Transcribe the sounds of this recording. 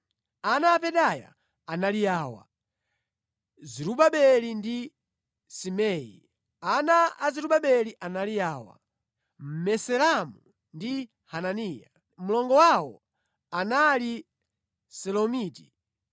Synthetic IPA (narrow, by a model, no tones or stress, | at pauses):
anaːpɛɗaja̰ | analijaːwa̰ | ziɾuɓaɓɛlindi | simɛjḭ | anaaziɾuɓaɓɛliʔanalijaːwa̰ | m̩mɛsɛlamu | ndi | hananiːja | mulɔŋɡɔwawɔ̰ | anali | sɛlɔmiːti̥